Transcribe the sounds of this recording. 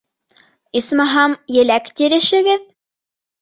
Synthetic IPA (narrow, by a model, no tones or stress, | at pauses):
ismɑɦɑmjɘ̆lækt̪iɾɘ̆ʃɘ̆ɡɘð